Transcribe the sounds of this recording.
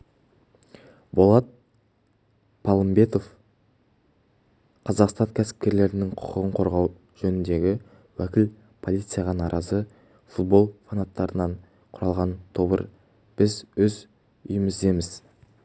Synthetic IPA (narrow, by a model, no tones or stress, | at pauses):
bo̞lˠɑt̪̚ | pʰɑlˠəmbe̞t̪o̞f | qʰɑzɑqst̪ɑŋkʲʰæsɪ̥p̚kʲe̞ɾle̞ɾɪnɪŋqʰʊ̥qəʁəɴqʰo̞ɾʁɑw | ʒ̥ɵnɪnd̪e̞ɡʲɪ | wækʲɪl | pʰo̞lˠijt̪sɨjɑʁɑnɑɾʔɑzə | fut̪̚bo̞lˠfanat̪ːɑɾənɑɴ | qʰʊɾɑlˠʁɑnt̪ʰobə̰ɾ | b̥ɪzwɵz | ʊ̰jəməzd̪e̞mɪz